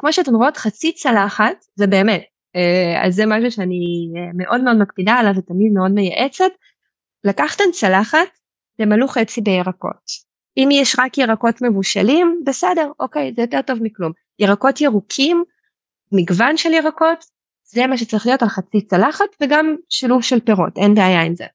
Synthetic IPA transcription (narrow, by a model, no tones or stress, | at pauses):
kmo̞ʃeat̬emʁootχat͡sit͡salaχatzebe̞ːmet̚ | ea̰lzemaʃ̬uʃeanieme̞ʔo̞dmeo̞dmak̚pidaːlavetamidmeo̞dmejaʔet͡set | lakaχt̪ent͡salaχat̚ | bemaluχet͡sibejeʁako̰t | ʔimjɛʃʁakjeʁako̞tme̞vuʃalimbesede̞ʁokejzɛjo̞te̞ʁto̞vmiklum | jeʁako̞tjeʁukʰimː | iɡvanʃeljeʁako̞t | zemaʃ̬et͡saʁiχlijo̞talχat͡sit͡salaχatveɡamʃiluvʃelpe̞ʁo̞̰tʔenbeajaimzḛ